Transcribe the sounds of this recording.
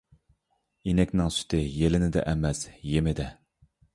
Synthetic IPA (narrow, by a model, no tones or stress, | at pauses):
inɛkʲnɪŋsy̥t̪ʰɪjelɪnɪd̪ɛ̰ʔɛmɛsjemɪd̪ɛ